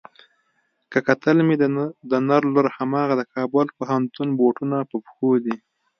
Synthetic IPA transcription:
kəkat̪əlmed̪ənaɾloɾhamɑːɣad̪əkʰɑːbəlpohant̪unboʈunapəpxod̪i

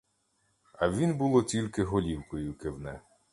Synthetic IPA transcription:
ɐʋʲinbulˠɔt͡sʲilʲkɪɦɔlʲiwkɔjʊkewnɛ

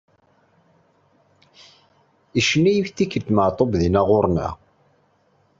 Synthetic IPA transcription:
iʃənːæjifθikːət̪ːməʕt̪ˤobðinæʁʊɾˤnæ̰

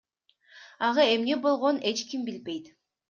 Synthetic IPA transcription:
ɑʁɑe̞mne̞bo̞lˠʁo̞ne̞t͡ʃkʲimbilbe̞jt̪

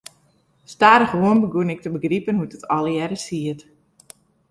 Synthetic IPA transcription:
staːɾəχʋuənbəɡunɪk̚təbəɡripənɦutətɔljɛɾəsiət

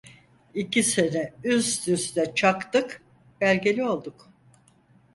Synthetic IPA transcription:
icʰisinɛyzd̪yst̪ɛt͡ʃʰakt̪ɯk | b̥ælʲɟelʲio̞lˠd̪uk

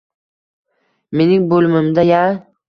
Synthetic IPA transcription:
me̞nɪŋbolɪmɪmd̪aja

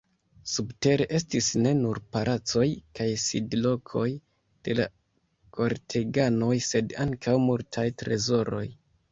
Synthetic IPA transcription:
subte̞ɾe̞ʔe̞stisne̞nuɾpalʔat͡so̞jkajsidlo̞kʰo̞j | d̥e̞la̰ | ko̞ɾtʰe̞ɡano̞jse̞daŋkʰawmultʰajtɾe̞zo̞ɾo̞̰j

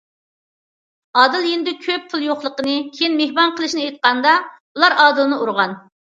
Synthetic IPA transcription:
ɑːd̪ɨlˠjind̪ɪkʲʰøp̚pʰʊlˠjoχlˠəqənɨkʲʰejinmehbɑnqʰəlˠɨʃinɨejt̪̚qɑnd̪ɑ | ulˠɑɾɑːd̪ɨlˠɨnɨuɾʁɑn

